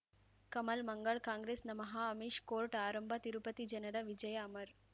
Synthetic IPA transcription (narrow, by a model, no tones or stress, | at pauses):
kɐmɐlmɐŋɡɐɭkaːŋɡɾeːsnɐmɐɦaːɐmiʃkoːɾʈaːɾɐmbʱɐt̪iɾupɐt̪id͡ʒɐnɐɾɐʋid͡ʒɐjaːmɐɾ